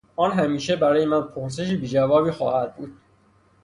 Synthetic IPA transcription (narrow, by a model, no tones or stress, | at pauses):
ɒːnɦæmiːʃe̞bæɾɒːje̞mænpʰoɾs̬e̞ʃ̬iːbiːd͡ʒævɒːbiːxɒːhæd̪̚buːd̪̥̚